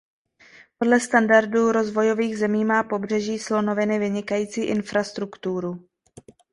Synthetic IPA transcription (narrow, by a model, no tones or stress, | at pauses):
po̞dlɛst̪andaɾduːɾo̞zvo̞jo̞viːɣzɛmiːmaːpo̞br̝ɛʒiːslo̞no̞vɪnɪvɪɲɪkajiːt͡siːʔɪnfɾast̪ɾukt̪uɾu